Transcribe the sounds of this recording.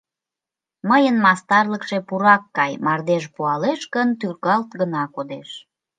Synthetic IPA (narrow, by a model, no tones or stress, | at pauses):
məjənmɑst̪ɑrləkʃe̽puɾɑkːɑjmɑrd̪eʃpuɑleʃkənt̪yrɣɑlt̪ɡənɑkod̪eʃ